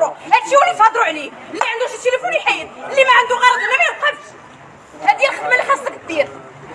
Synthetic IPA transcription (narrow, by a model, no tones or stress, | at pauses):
ɾuæʃiwælifɑd̪ˤɾuʕli | əlːiʕənd̪uʃət̪ɾifuliħajəd̪əlːimæʕənd̪uɣɑɾˤɑd̪ˤənæmijəlqɑd̪t̪ | hæd̪jælxəd̪mælːiħɑsˤt̪ˤəkd̪iɾ